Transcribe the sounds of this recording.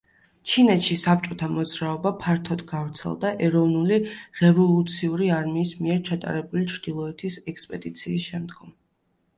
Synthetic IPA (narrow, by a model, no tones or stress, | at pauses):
t͡ʃʰinɛt̪ʃisap̚t͡ʃʼɔt̪ʰamɔd̪zɾaɔbapʰaɾt̪ʰɔd̪ɡavɾt̪sʰɛ̰lˠd̪aʔɛɾɔvnuliɾɛvɔlˠut̪sʰiuɾiaɾmiːsmiɛɾt͡ʃʰat̪ʼa̰ɾɛbulit͡ʃʰɾd̪̥ilˠɔɛt̪ʰisɛkspʼɛd̪it̪sʰiːsʃɛmd̪ɡɔm